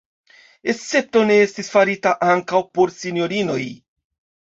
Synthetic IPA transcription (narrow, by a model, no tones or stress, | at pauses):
e̞t͡se̞p̚to̞ne̞e̞stisfaɾitaʔaŋkawpo̞ɾsinjo̞ɾino̞j